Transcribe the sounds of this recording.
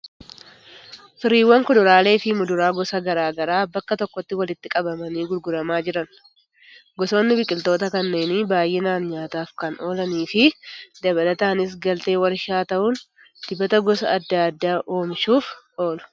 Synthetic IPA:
fɪɾiːwːɐŋkʊd̪ʊɾaːle̞ːfɪmʊd̪ʊɾaːɡɔsɐɡɐɾaːɡɐɾaːbɐkːɐt̪ɔkːɔt̪ːɪwɐlɪt̪ːɪkʼɐbɐmɐniːɡʊlɡʊɾɐmaːd͡ʒɪɾɐn | ɡɔso̞ːnːɪbɪkʼːɪlt̪o̞ːt̪ɐkɐnːe̞ːniːbaːjʔeːnaːnɲaːt̪aːfkɐno̞ːlɐniːfɪd̪ɐbɐlɐt̪aːnɪs̬ɡɐlt̪e̞ːwɐɾɪʃaːt̪ɐʔʊn | d̪̥ɪbɐt̪ɐɡɔsɐ̰ːd̪ːaɐd̪ːaːʔo̞ːmʃuːf | o̞ːlʊ̥

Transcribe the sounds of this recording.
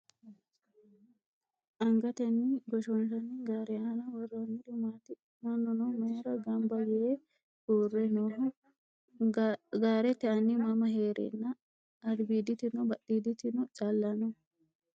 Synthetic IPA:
ʔɐŋɡɐt̪ɛnːɪɡɔʃɔnʃɐnːɪɡaːɾɛaːnɐwɔrːonːɪd̪ʊmaːt̪ɪ | mɐnːɔnɔmeːɾɐɡɐmbɐjɛe | huːrːɛnɔ | ɡaːɾɛt̪ɛɐnːɪmɐmɐɦeːɾʔɛ̰nːɐ | ɐd̪biːd̪ɪt̪ɪnɔbɐɗiːd̪ɪt̪ɪnɔt͡ʃʼɐlːɐnɔ

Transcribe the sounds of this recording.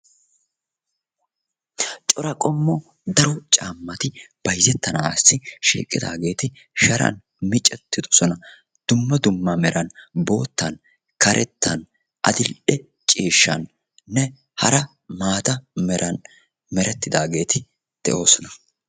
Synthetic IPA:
t͡ʃʼɔɾɐkʼɔmːɔ | d̪ɐɾɔt͡ʃʼaːmːɐt̪ɪb̥ɐjzɛt̪ːɐnaːsːɪʃḭːkʼːɪd̪a̰ːɡe̞ːt̪ɪ | ʃɐɾɐ̰n | mɪt͡ʃʼɛt̪ːɪd̪ɔ̥sɔnɐ | d̪̥ʊmːɐd̪ʊmːɐmɛɾɐnbo̞ːt̪ːɐn | kɐɾʔɛt̪ːɐn | ʔɐ̰d̪ɪlɗɛ | t͡ʃʼiːʃːɐ̰n | nɛ | hɐɾɐ | maːt̪ɐmɛɾʔɐn | mɛɾɛt̪ːɪd̪aːɡe̞ːt̪ɪ | d̪̥ɛ̰ʔo̞ːsɔnɐ̥

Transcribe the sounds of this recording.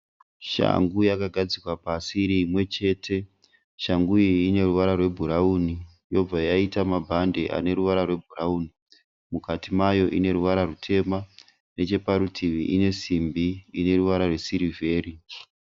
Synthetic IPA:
ʃa̰ŋɡujakaɡʱad͡zikwapasiɾiːmwe̞t͡ʃe̞ːtʰe̞ | ʃaŋɡuiine̞ruʋaɾarwe̞bʱuɾauni | jo̞b͡vajaitamabʱande̞ʔa̰ne̞ɾuʋaɾarwe̞bʱurauːni | mukatimajo̞ʔine̞ɾuʋaɾarutʰe̞ma | ne̞t͡ʃe̞paɾutʰiʋiʔine̞simbiine̞ɾuʋaɾarwe̞siɾive̞ːɾi

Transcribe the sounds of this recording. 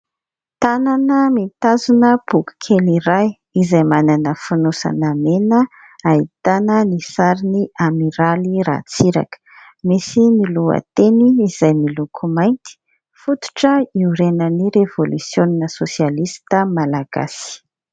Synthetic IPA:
t̪ananəmit̪azunəb̥uku̥kʰeliɾaj | izajmananəfunusa̰namenə | ait̪anənisaɾiniamiɾaliɾa̰t͡siɾa̰kə̥ | misinilua̰t̪eniːz̥ajmilukʰumajnt̪i̥ | fut̪u̥ʈ͡ʂəiuɾenəniɾevolusjoninəsosialist̪əmalaɡ̥a̰si̥

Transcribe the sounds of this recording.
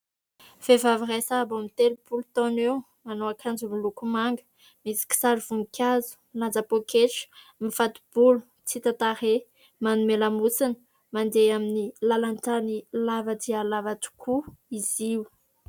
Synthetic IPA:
v̥evaviresabamit̪elupulut̪ɔnew | manoakʰand͡zumilukumaŋɡə̥ | misi̥ki̥saɾiv̥unikʲʰazu̥mland͡zapokʰeʈ͡ʂə̥ | mifat̪u̥b̥ulu̥ | t͡sit̪at̪aɾe | manumelamusinə̥ | mand̪eaminilalantanilavadialavatu̥kʰuiziw

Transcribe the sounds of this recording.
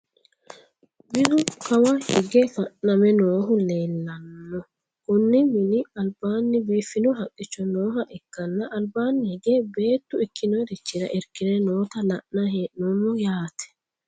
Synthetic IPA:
bɪd̪ʊkɐwɐhɪɡɛfɐʔnɐmɛnoːɦʊle̞ːlːɐnːɔ | kʊnːɪmɪnɪɐlbaːnːɪbiːfːɪnɔɦɐkʼːɪt͡ʃːɔnoːɦɐʔɛkːɐnːɐʔːlbaːnːɪhɪɡeːbe̞ːt̪ːʊɪkʰːɪnɔɾɪt͡ʃːɪɾɐ̰ʔɪɾkːɪnɛno̞ːt̪ɐlɐʔnɐhenɔmːɔjaːt̪ɛ̥

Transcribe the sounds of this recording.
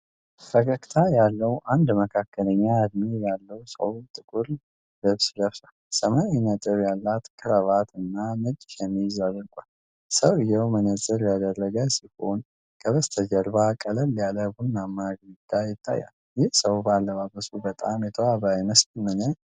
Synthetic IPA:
fəkʰəkʼt̪ʰajalːəwʔand̪məkʰakːələɲːaɨd̪mejalːəwsə̰wt̪ʼɨkʼuɾ | dɨβsd̪əfsalsəmanjnət̪ʼɨβjalːat̪kʰɨɾəβat̪ɨnːanɨd͡ʒʼʃɛmːizarəkʷʼal | səwɨjɛwmənəzʼəɾjad̪ərːəɡəsiho̞n | kʰəβəst̪ʰəd͡ʒəɾbakʼələlːjaləbunamːaɡɾid̪ajɪt̪ʰːa̰jːa̰l | jɪhsəwbəalːəβabəsubət̪ʼa̰mjɛt̪ʰəwaβajməsmɨnə

